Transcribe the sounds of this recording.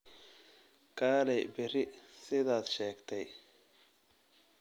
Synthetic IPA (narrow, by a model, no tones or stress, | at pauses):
kʰaːlɛjbɪɾɪsɪðaːd̪ʃɛːɡt̪ʰɛj